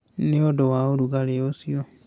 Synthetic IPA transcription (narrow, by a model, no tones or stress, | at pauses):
neodowaoɾuɡaleosio